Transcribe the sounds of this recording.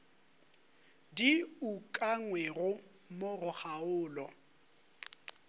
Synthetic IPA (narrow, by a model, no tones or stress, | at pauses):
diukʼaŋwɛɣʊ | morʊχaʊːlɔ